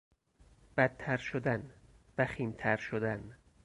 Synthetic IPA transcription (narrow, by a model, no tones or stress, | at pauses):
b̥æt̪ʰːæɾʃod̪æn | væxiːnt̪ʰæɾʃod̪æn